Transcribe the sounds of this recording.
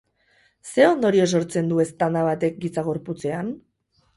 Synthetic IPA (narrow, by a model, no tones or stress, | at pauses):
se̞o̞nd̪o̞ɾio̞s̬o̞ɾt͡se̞nd̪ue̞st̪and̪aβat̪e̞k̚ɡit͡saɣ̞o̞ɾput͡se̞an